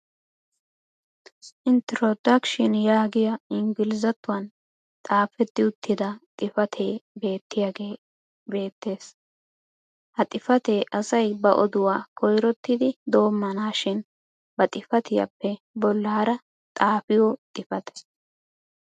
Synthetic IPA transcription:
ʔɪnt̪ɾod̪ɐkʃɪnjaːɡɪjɐɪŋɡɪlɪzɐt̪ːʊwɐn | t̪ʼaːfɛd̪ːɪʊt̪ʰːɪd̪ɐt̪ʼɪfɐt̪ʰe̞ːbe̞ːt̪ːɪjaɡe̞ː | be̞ːt̪ːe̞ːs | hɐt̪ʼɪfɐt̪eːʔɐsɐjbɐʔɔ̰d̪ʊwaːkʰɔjɾɔt̪ːɪd̪ɪd̪o̞ːmːɐnaːʃɪn | bɐt̪ʼɪfɐt̪ɪjɐ̰pːɛ | bɔlːaːɾɐ | t̪ʼaːfɪjɔt̪ʼɪfɐt̪ɛ̥

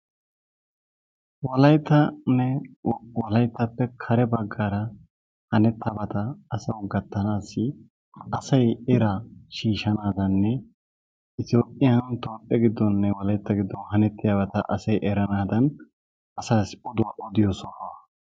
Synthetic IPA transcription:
wɔlɐjt̪ːɐnɛwɔlɐjt̪ːɐpːɛkʰɐɾɛbɐɡːaːɾɐ | hɐnɛt̪ːɐbɐt̪ɐːsɐwɡɐt̪ːɐnaːsːɪ | ɐsɐjɛɾaʃiːʃɐnaːd̪ɐnːɛ | ɪt̪ɪjoːpʼːɪjɐnt̪oːpʼːɛɡɪd̪ːɔnːɛwɔlɐjt̪ːɐɡɪd̪ːɔhɐnɛt̪ːɪjabɐt̪ɐ̰ʔɐsɐjʔɛɾɐnaːd̪ɐn | ɐsaːsʊd̪ʊwɐʔɔd̪ɪjoːsɔhɐ

